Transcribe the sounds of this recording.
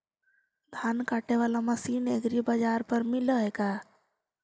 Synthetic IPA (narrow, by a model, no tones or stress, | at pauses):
d̪ʱankaʈeʋalaməsineɡɾibad͡ʒaɾpəɾmiləɦeka